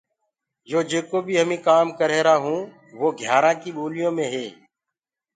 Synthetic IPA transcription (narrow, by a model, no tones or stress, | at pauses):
joːd͡ʒeːkoːbʱiːɦəmĩːkaːmkəɾeːɾaːɦũː | ʋoːɡʱjaːɾãːkiːɓoːlɪjõːmẽːɦeː